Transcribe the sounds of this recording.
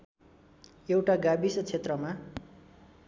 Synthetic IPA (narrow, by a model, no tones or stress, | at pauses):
ewʈaɡabisʌt͡sʰet̪rʌma